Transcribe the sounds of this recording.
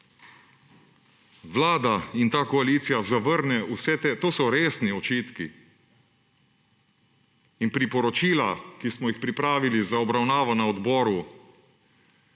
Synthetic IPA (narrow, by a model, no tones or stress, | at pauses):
ʋlaːd̪aint̪aːkɔaliːt̪sijazaʋəɾnɛusɛt̪et̪oːsɔɾeːsniɔt͡ʃiːt̪kḭ | inpɾipɔɾɔt͡ʃiːlakismɔjixpɾipɾaːʋilizaɔbɾawnaːʋɔnaɔd̪bɔːɾu